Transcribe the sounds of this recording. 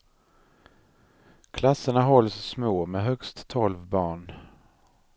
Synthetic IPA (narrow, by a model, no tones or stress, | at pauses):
kʰlasːəɳaɦɔlssmoːmɛɦœkst̪ʰːɔlvbɑːɳ